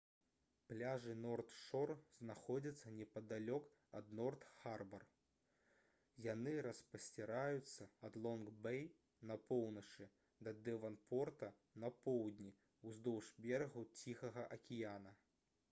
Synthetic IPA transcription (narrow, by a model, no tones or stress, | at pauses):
plʲaʐɨnɔrt̪ʂɔrznaxɔd͡zʲɐt̪sːɐnʲɛpɐd̪alʲɔk | ɐ̰d̪nɔrt̪xarbɐr | janɨɾɐspɐsʲt͡sʲɛɾajut̪sːɐɐd̪lˠɔnɡbɛj | nɐpɔwnɐt͡ʂɨ | d̪ɐd̪ɛvɐnpɔrt̪ɐ | nɐpɔwd̪ʲnʲi | uzd̪ɔwʂbʲɛɾɣut͡sʲixɐɣɐʔɐkʲijanɐ